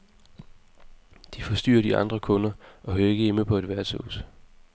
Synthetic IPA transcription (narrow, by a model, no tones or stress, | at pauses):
d̥ifɒ̽sd̥y̰ːɐd̥iɑ̈nd̥ʁɐkʰɔ̽nɐʔɒ̽ɦøːɐe̝ɡ̥əeməpʰɒ̽ed̥ʋæɐt͡sʰo̰s